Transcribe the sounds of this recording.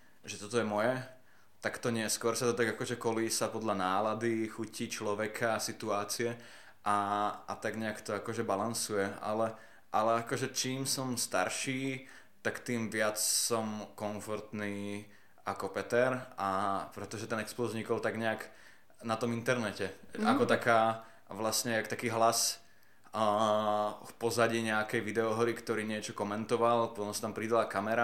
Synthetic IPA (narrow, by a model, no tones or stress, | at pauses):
ʒɛt̪ɔt̪ɔjɛmɔjɛ | t̪akt̪ɔɲɪɛskʊɔɾsat̪ɔt̪aɡakɔʒɛkɔliːsapɔd̪ʎanaːlad̪ixuciːt͡ʃlɔʋɛkʰasit̪uaːt͡siɛ | ʔaat̪aɡɲɛakt̪ɔakɔʒɛbalansujɛa̰lɛ | ʔalɛakɔʒɛt͡ʃiːmsɔmst̪a̰ɾʃiː | t̪akt̪iːmʋɪat͡ssɔmkɔnfɔɾt̪niː | akɔpɛt̪ɛɾapɾɛt̪ɔʒɛt̪ɛnɛksplɔzɲikɔlˠt̪aɡɲɛak | nat̪ɔmint̪ɛɾnɛcɛakɔt̪akaː | ʋlasɲɛakt̪akiːɦlas | fpɔzaɟiːɲɛakɛjʋid̪ɛɔɦɾikt̪ɔɾiːɲɪɛt͡ʃɔkɔmɛnt̪ɔʋalpɔt̪ɔmsḁt̪ampɾid̪alakamɛɾa